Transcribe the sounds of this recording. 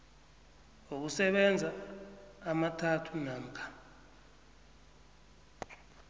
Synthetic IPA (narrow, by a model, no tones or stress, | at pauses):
ŋok̬usɛɓɛnd͡zʱaː | matʰatʰunaːm̩kʰḁ